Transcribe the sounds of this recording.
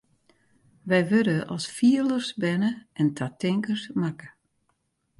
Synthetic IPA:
ʋɛjʋødəʔɔ̰lˠsfiələrsbɛnəʔɛntʰatɪŋkərsmakə

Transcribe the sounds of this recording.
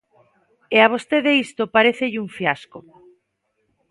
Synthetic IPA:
eaβ̞ost̪eðeist̪opaɾeθeʎuɱfjasko

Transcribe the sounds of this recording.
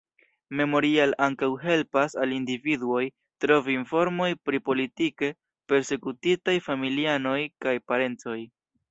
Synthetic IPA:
me̞mo̞ɾialaŋkawɦe̞lpasalindividuo̞j | tɾo̞viːnfo̞ɾmo̞jpɾipo̞litike̞ | pe̞ɾse̞kutitajfamiliano̞jkajpaɾe̞nt͡so̞j

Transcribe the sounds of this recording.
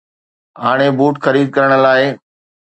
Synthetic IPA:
ɦaːɽ̃ebuːʈxɐɾiːd̪̚kɐɾəɽ̃ə̆laːɪ

